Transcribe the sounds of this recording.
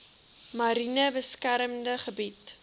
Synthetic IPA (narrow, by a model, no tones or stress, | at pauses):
mɐɾinəbəskæɾəmdəχəbit